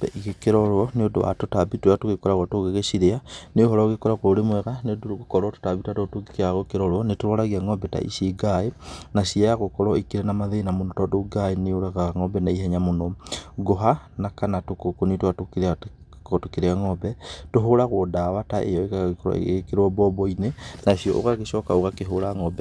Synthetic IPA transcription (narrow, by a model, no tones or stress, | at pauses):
ɛ̰ʔiɣekeɾɔɾwɔneodo̰wa̰totabitwjatoɣekɔɾaɣwatoɣeɣesiɾeaneohɔɾɔɣekɔɾakoɾemwɛɣaneodoɣokɔɾwɔto̥taβitatotoekeaɣokeɾɔɾwɔnetoɾɔɾaɣiaŋɔbɛta̰ʔḭseɡaenasiajaɣokɔɾɔikiɾenamaðenamonɔtɔdoɡaeneoɾaɣaŋɔbɛnaiɦɛɲamonɔɡoɦanakanatokokonitwatokeɾ | otokeɾeaŋɔbɛtoɦoɾaɣodaːwataʔḛjɔekaaɣekɔɾ̰keɾwɔbɔbɔinenasiɔ̰ʔo̰ɣaɣeʃɔkaoɣakeɦoɾaŋɔbɛ